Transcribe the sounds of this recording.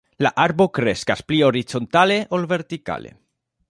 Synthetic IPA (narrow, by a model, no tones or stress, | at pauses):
la̰ʔaɾbo̞kɾe̞skasplio̞ɾit͡so̞nt̪ale̞ʔolve̞ɾt̪ika̰le̞̰